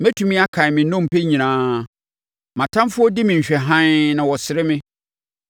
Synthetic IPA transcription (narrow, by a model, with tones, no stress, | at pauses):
mɛ˦tʰu˨mĩ˦a˦kʰã˨mɪ̃˨nʊ̃˦m̩˨pʰe˦ɲĩ˨nãː˨˦ | mã˨tʰã˦mfʊ˦ɔ˦dɪ˦mɪ̃˨ɲ̩˨ɕᶣɛ˨ɦã˦nnã˨wɔ˨sɪ˨ɾɪ˦mɪ̃˦